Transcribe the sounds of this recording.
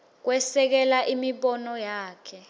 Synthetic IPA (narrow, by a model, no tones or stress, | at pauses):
k̬wɛsɛk̬ɛlaʔimiɓɔnɔjaːkʰɛ